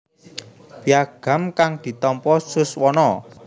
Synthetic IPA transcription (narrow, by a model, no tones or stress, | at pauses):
piaɡ̥a̤mkaŋd̪̥i̤t̪ɔmpɔsʊswɔnɔ